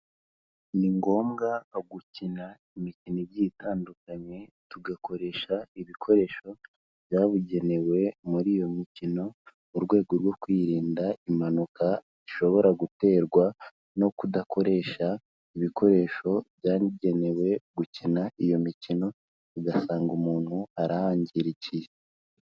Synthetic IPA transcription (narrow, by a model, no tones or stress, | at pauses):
niŋɡo̞ːmɡaɡucina | imicinoβjitʰaːndukaɲe̞tuɡako̞ɾe̞ːʃaiβikʰo̞ɾe̞ːʃo̞ | βjaːβuɟe̞ne̞we̞muɾiːjo̞micino̞ | uɾɡwe̞ːɡoɾɡwo̞kwiːɾiːndaimanuka | iʃo̞βo̞ɾaɡute̞ːɾɡwa | no̞kudako̞ɾe̞ʃa | iβikʰo̞ɾe̞ːʃo̞bjaːɲiɟe̞ne̞we̞ɡucinaijo̞micino̞ | uɡasaːŋɡumuːn̥huaɾahaːɲɟiɾici